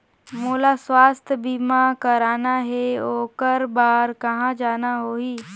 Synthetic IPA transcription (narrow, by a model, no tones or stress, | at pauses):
moːlaswaːst̪ʰəbiːmãkɐɾaːnaɦeoːkəɾbaːɾkɐɦãd͡ʒaːnaɦoːɦiː